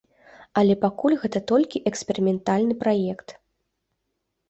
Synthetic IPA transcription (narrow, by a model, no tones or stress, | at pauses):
ɐlʲɛpakulʲɣɛt̪ɐt̪ɔlʲkʲiʔɛksʲpʲɛɾʲimʲɛnt̪alʲnɨpɾajɛkt̪